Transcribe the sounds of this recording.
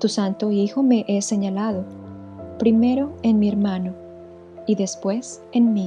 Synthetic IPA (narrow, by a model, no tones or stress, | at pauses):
t̪usant̪oixo̞me̞ʔese̞ɲalaðo | pɾime̞ɾo̞enmie̞ɾmano | iðe̞spwe̞s | enmi